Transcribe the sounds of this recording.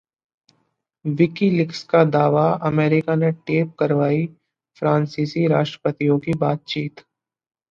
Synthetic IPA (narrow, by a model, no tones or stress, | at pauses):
ʋɪkilɪkskad̪aːʋaɐmeːɾɪkaneʈeːp̚kɐɾʋaːi | fɾãːnsiːsiɾaːʃʈɾəpət̪ijõkibaːt̪̚t͡ʃiːt̪